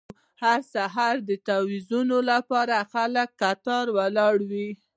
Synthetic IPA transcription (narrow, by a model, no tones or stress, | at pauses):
haɾsaɦaɾd̪ət̪awizunolapɑɾaxaləkːat̪ɑɾwalɑɽwi